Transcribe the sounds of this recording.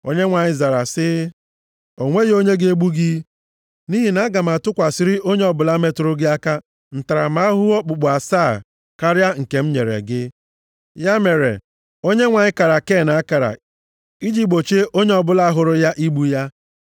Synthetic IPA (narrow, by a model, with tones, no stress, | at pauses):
o̰˦ɲe˦ŋʷa˨ɲɪ˦za˨ɾa˨sɪ˦ | o˨ŋʷe˦jo˦ɲe˦ɡe˦ɡ͡bu˦ɡi˦ | ni˦ɦi˨na˦a˦ɡa˨m˨a˨tʊ˦kʷa˨sɪ˦ɾɪ˦o˦ɲe˦ɔ˦bʊ˨la˦me˦tɾʊ˦ɡɪ˦a˦ka˦ | n̩˨ta˨ɾa̰˨ma˦ɦʊ˦ɔ˦k͡pʊ˨ɡ͡bʊ˨a˨saː˦˨ | ka˦ɾja˦ŋ̩˨ke˨m̩˦ɲe˨ɾḛ˨ɡɪ˦ | ja˦me˨ɾḛ˨ | o˦ɲe˦ŋʷa˨ɲɪ˦ka˨ɾa˨ke˦˨na˨a˦ka˨ɾa̰˨ | i˦d͡ʒi˦k͡po˨t͡ʃe˦ʔo˦ɲe˦ɔ˨bʊ˦la˦ɦʊ˨ɾʊ˦ja˦ʔi˦ɡ͡bu˦ja˦